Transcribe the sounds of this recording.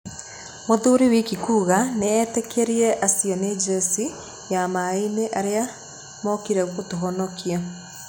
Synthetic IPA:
moðoɾiwikikuːɣaneɛtekʰeɾiɾɛʔasiɔned͡ʒɛsi | jamaineʔaɾea | mɔkiɾɛɣotoɦɔnɔkʰia

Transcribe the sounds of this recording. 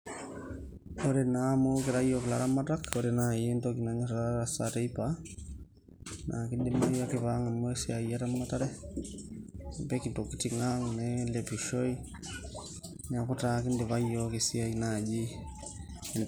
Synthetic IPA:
oɾenamokɪɾajɔkɪlaɾamatakoɾenajentokinaɲisɾaɾasateipa | nʔa̰kindɪmajokɪβaŋamɛsiajaɾamːataɾɛ | mpɛkitokitiŋaŋnɛlɛpiʃɔi | ɲakutakindeβajɔkisiainad͡ʒi | n

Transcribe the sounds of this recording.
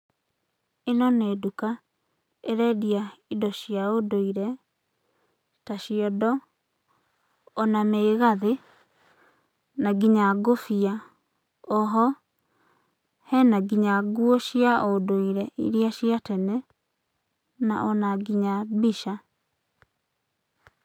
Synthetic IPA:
enɔneduka | eɾɛdiaidɔɕiaodoiɾɛ | taɕiɔdɔ | ɔnameːɣaðe | naɡiɲaɡofia | ɔɦɔ | hɛnaɡiɲaɡwoʃiaodoiɾɛʔḭɾiaɕjatɛnɛ | na̰ʔɔnaɡiɲabiʃa

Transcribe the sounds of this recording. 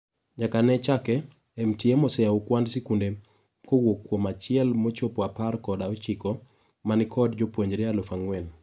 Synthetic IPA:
ɲakanɛt͡ʃakɛː | mtiemɔsɛaukwandsikunde | kowokːwomat͡ʃɪɛlmot͡ʃopwaparkɔdaot͡ʃikɔ | manɪkɔdd͡ʒopwoɲd͡ʒɾɛalɔfaŋwɛn

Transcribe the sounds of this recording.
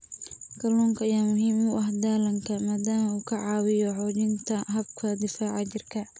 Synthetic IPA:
kɐlɔːŋkʰɐɪjaːmʊɦiːmʊʔɐɦd̪aːlɐŋkʰɐmaːd̪aːmɐuːkʰɐʕɑːwɪjɔħɔːt͡ʃɪnt̪ʰɐɦɐbkʰɐd̪ɪfaːʕɑt͡ʃɪrkʰɐ

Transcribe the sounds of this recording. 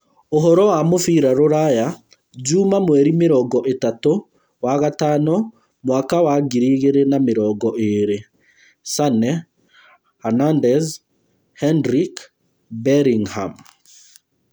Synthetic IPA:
oɦɔɾɔwamofiːɾaɾoɾaja | d͡ʑumamwɛɾimeɾɔːŋɡɔʔetato | waɣatanɔ | mwaːkawaɡiɾiːɣeɾenameɾɔːɡɔʔeɾe | sanɛ | anandɛz | hɛndɾik | bɛɾiŋha̰m

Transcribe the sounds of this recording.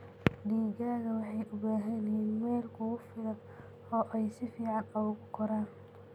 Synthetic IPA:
ɖiːɣaːɣɐwɑħɑjʔʊbaːɦɐnɐhiːnmɛːlkʰʊɣʊfɪɾɐ | ɔːʔɛjsɪfiːʕɑnɐɣʊɣʊqʰɔɾaːn

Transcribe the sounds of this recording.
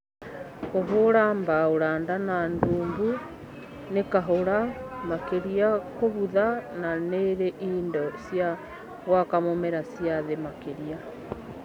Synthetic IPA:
koβoɾaːmbaoɾaːndananduːmbu | nekaɦoɾamakeɾiakoβuðananeɾeʔiːndɔsja | ɣwakamomɛɾasiaðemakeɾia

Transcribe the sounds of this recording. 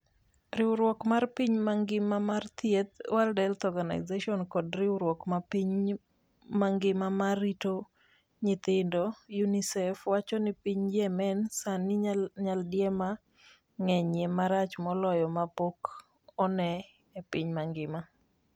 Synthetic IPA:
ɾɪwʊɾwɔkmarpiɲmaŋɡɪmamart̪jet̪waldɛlt̪ɔɡana̰ɪzeʃɔnkɔdɾɪwɾwɔkmapiɲ | maŋɡɪmamarito | ɲɪt̪ɪndojunisɛfwat͡ʃɔnɪpiɲd͡ʒɛmɛnsanɪɲaldɪjɛma | ŋɛɲemaɾat͡ʃmɔlɔjɔmapok | ɔnɛ | epiɲmaŋɡɪma

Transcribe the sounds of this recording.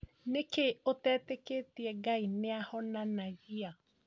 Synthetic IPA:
nekeotɛːteketiɛɡaineahɔnanaɣia

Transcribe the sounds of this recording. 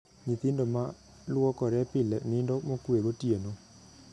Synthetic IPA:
ɲĩt̪indɔma | lwɔkɔɾɛpɪlɛnĩndɔmokueɣotiɛnɔ

